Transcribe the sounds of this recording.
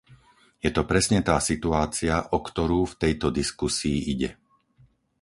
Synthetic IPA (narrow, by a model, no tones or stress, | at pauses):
jɛt̪ɔpɾɛsɲɛt̪aːsit̪uaːt͡siaʔɔkt̪ɔɾuːft̪ɛjt̪ɔd̪iskusiːʔiɟɛ̰